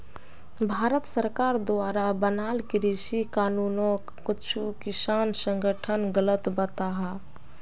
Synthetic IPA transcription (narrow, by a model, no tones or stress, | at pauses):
bʱaɾət̪səɾkaɾd̪oaɾabənalkiɾisikanunokːit͡ʃʰukisansəŋɡəʈʰənɡələt̪bət̪aɦa